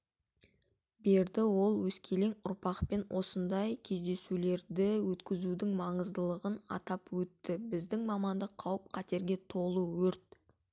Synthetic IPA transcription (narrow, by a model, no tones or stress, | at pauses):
be̞ɾd̪ɪwo̞lˠwɵskʲʰe̞le̞ŋʊɾpɑqpe̞nwʔo̞sənd̪ɑjkʲʰe̞zd̪e̞sule̞ɾd̪ɪwɵt̪kʲɪzud̪ɪŋmɑɴəzd̪əlˠəʁənɑ̰t̪ɑpwɵt̪ːɪbɪzd̪ɪŋmɑmɑnd̪əqʰɑwəp̚qʰɑt̪e̞ɾɡʲe̞t̪ʰo̞lˠəwɵɾt̪̚